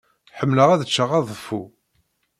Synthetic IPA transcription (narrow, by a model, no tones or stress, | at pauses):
ħəmːləʁæðət͡ʃːəʁɑðˤəfːu